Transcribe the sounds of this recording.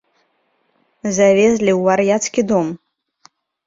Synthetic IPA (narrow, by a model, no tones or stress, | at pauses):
zavʲezʲlʲiwːarjat̪skʲid̪ɔm